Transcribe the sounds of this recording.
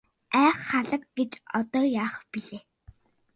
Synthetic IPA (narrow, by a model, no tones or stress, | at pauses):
æːχːaɮə̆kɡ̥et͡ɕɔt̪ɔːjaːχpiɮeː